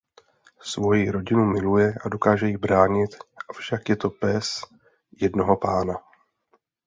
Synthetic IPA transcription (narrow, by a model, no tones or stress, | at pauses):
svo̞jɪɾo̞ɟɪnumɪlujɛʔado̞kaːʒɛjɪbɾaːɲɪt̪ʔafʃakjɛt̪o̞pɛs | jɛdno̞ɦo̞paːna